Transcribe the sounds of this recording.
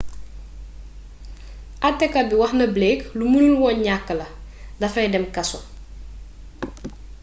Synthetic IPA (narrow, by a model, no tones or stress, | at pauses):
ʔɐtːɛkːɐbiwɐxnɐblɛːklumunulwɔɲakːəlɐ | dɐfɛdɛmkɐsɔ